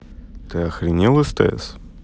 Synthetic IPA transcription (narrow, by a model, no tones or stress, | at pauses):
t̪ɨɐxɾʲɪnʲilˠɨst̪ɛ̰s